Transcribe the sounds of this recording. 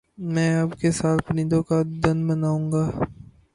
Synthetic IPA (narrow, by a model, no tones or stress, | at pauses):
mɛ̃ːaːpkesaːt̪pɐnɪ̃nd̪õkad̪ɐnmɐnaːũːŋɡaː